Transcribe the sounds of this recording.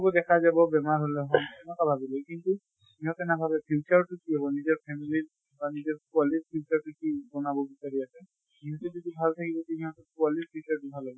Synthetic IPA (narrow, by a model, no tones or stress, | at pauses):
ɔbɔdɛkʰazabɔbɛmaɹɦolɛɦɔmɛnɔkabʱabilɛkintu | iɦɔ̃tɛnabʱabɛpʰit͡ʃaɹtʊkiabɔnizɔɹpʰɛmili | banizɔɹkʊalipʰiut͡ʃaɹtukibɔnabɔbisaɹiasɛ | iɦɔtɛzɔdibʱaltʰakibɔkiiɦɔ̃tɔkʊalipʰut͡ʃaɹtubʱalaɡɔ